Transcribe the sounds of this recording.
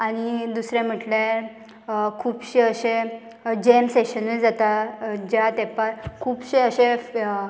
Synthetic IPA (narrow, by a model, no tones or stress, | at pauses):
aɽ̃id̪usɾɛ̃m̤əʈlaɾ | kʰuːbɕeəɕẽ | d͡ʑemseɕənəd͡zat̪ad͡ʑat̪ɛpaɾkʰuːbɕeəɕe